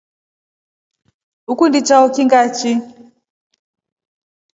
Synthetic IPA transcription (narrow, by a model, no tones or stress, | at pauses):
ukundit͡ʃaukiŋɡat͡ʃi